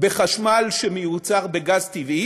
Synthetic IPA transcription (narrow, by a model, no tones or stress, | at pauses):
be̞χaʃmalʃemejut͡saʁbeɡazt̪ivi